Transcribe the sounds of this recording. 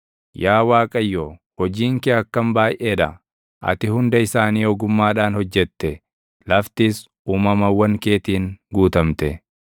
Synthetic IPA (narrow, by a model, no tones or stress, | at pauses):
jaːwaːkʼɐjːoː | hɔd͡ʒiːŋkɛɐkːɐmbaːjʔeːᶑɐ | ʔɐ̰t̪ɪhʊnd̪ɐɪsaːniːɔɡʊmːaːᶑaːnhɔd͡ʒːɛt̪ːɛ | lɐft̪is | uːmɐmɐwːɐŋke̞ːt̪iːŋɡuːt̪ɐmt̪ɛ